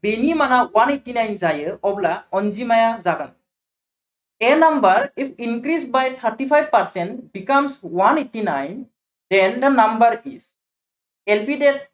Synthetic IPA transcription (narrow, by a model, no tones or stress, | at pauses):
benimanawaneʈːinajnzajəɔblaɔnd͡ʒimajazaɡa̰n | enambəɾipʰinkɾisbajt̪ʰəɾʈipʰajb̚paɾsɛɳʈbikamswaneʈːinajn | d̪̥ɛnd̪ənambəɾiz̥ | elpidet̪̚